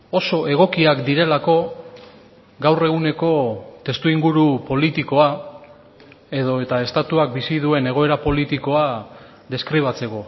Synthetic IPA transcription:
o̞so̞ʔe̞ɣ̞o̞kiakd̪iɾe̞lako̞ | ɡawre̞ɣ̞une̞ko̞t̪e̞st̪uiŋɡuɾupo̞lit̪iko̞a | e̞ð̞o̞e̞t̪ae̞st̪at̪uak̚bisið̞ue̞ne̞ɣ̞o̞e̞ɾapo̞lit̪iko̞a | ðe̞skɾiβ̞at͡se̞ko̞

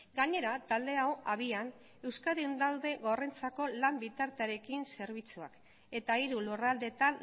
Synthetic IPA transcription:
ɡaɲe̞ɾat̪ald̪e̞awaβian | e̞wskaðeund̪awðe̞ɣo̞re̞nt͡sako̞lambit̪aɾt̪eaɾe̞kinse̞ɾβ̞it͡sua̰k | e̞t̪aiɾulurald̪e̞t̪an

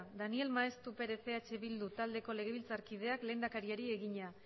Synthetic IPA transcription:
d̪anie̞lmaest̪upe̞ɾe̞θe̞at͡ʃe̞βild̪ut̪ald̪e̞ko̞le̞ɣ̞e̞βilt͡saɾkið̞e̞akle̞nd̪akaɾiaɾie̞ɣiɲa

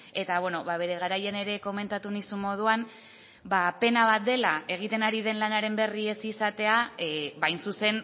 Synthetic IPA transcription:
e̞t̪aβwe̞no̞βaβe̞ɾe̞ɣ̞aɾajene̞ɾe̞ko̞me̞nt̪at̪unisummo̞ð̞uan | bape̞naβ̞at̪̚d̪e̞lae̞ɣ̞it̪e̞naɾið̞e̞nlanaɾe̞mbe̞rie̞sisat̪e̞abajnsuse̞n

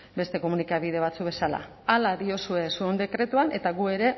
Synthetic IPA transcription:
be̞st̪e̞ko̞munikaβið̞e̞βat͡suk̚βe̞sala̰ | alaðio̞sue̞suond̪e̞kɾe̞t̪uanʔe̞t̪aɣue̞ɾe̞

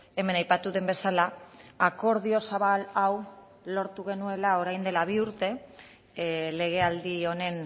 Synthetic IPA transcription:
e̞me̞najpat̪uðe̞mbesalaako̞ɾð̞io̞saβalaw | lo̞ɾt̪uɣ̞e̞nue̞lao̞ɾajnd̪e̞laβ̞iuɾt̪e̞ | le̞ɣ̞e̞ald̪io̞ne̞n

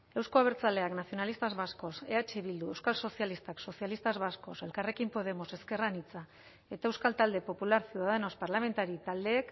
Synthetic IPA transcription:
e̞wsko̞aβeɾt͡sald̪e̞aknasio̞nalist̪azβasko̞se̞at͡ʃiβild̪ue̞wskalso̞sialist̪akso̞sijalist̪azβasko̞se̞lkare̞kimpo̞ð̞e̞mo̞se̞ske̞ranit͡sa | e̞t̪aewskalt̪ald̪e̞po̞pulaɾsjuðaðeno̞spaɾlame̞nt̪aɾit̪ald̪e̞ːk

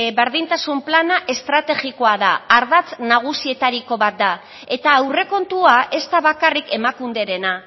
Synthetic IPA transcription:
βeɾðint̪asumplanaʔe̞st̪ɾat̪e̞ɣiko̞aðaaɾðat͡snaɣ̞usie̞t̪aɾiko̞βat̪̚d̪a | e̞t̪aːwre̞ko̞nt̪uaʔe̞st̪aβakarike̞makund̪e̞ɾe̞na

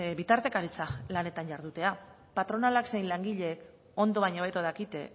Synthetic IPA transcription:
bit̪aɾt̪e̞kaɾit͡salane̞t̪aɲʝaɾðut̪e̞a | pat̪ɾo̞nalakse̞jnlaŋɡiʎe̞ːk | o̞nd̪o̞βaɲoβ̞e̞t̪oðakit̪e

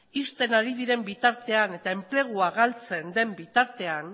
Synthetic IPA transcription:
ist̪e̞naɾiðiɾe̞mbit̪aɾt̪e̞ane̞t̪ae̞mple̞ɣ̞uaɣalt͡se̞nd̪e̞mbit̪aɾt̪e̞an

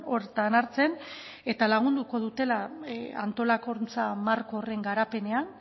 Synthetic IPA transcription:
o̞ɾt̪anaɾt͡se̞n | e̞t̪alaɣ̞und̪uko̞ð̞ut̪e̞laa̰nt̪o̞lako̞ɾnt͡samaɾkoːre̞ŋɡaɾape̞ne̞an

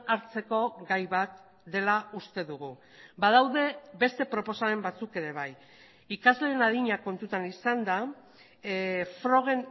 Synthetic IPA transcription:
aɾt͡se̞ko̞ɣajβat̪̚ | d̪e̞laust̪e̞ðuɣ̞u | bað̞awðe̞be̞st̪e̞pɾo̞po̞same̞mbat͡suke̞ɾe̞β̞aj | ikazle̞ːnaðiɲako̞nt̪ut̪anisand̪a | fɾo̞ɣe̞n

